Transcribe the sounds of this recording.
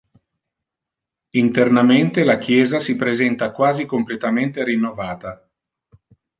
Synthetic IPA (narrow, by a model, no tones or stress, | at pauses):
int̪ernament̪elak̟jɛːzasipɾezɛnt̪akwaːzikomplet̪ament̪eɾinːovaːt̪a